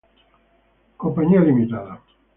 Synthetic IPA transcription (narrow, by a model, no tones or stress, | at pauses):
kompaɲialimit̪aða